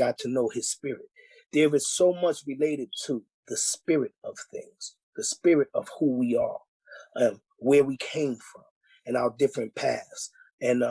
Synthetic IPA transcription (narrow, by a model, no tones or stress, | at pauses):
ɑtʰɨnoʊɨz̥spɪɹɪt̪̚ | ðə˞ʌz̥soʊmʌt͡ʃɹɨleɪɾɨd̚tʰə | ðɨspɪɹɨɾʌv̥θɪ̰̃ŋz̥ | ðɨspɪɹɨɾʌ̰v̥huwiə˞ | ʌ | wə˞wikʰẽɪ̃ɱfɹʌ̃m | ɨ̃naʊə˞dɪfɹɨ̃npʰæ̰s | ɨ̃n